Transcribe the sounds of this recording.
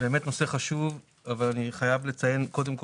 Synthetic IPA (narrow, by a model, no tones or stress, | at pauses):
be̞met̪no̞se̞χaʃuv | avalaniχajavlet͡saje̞nko̞d̪emk